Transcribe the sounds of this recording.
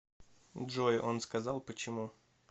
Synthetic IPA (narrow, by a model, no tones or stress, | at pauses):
dʐojʔo̞nskɐzalˠpət͡ɕɪmu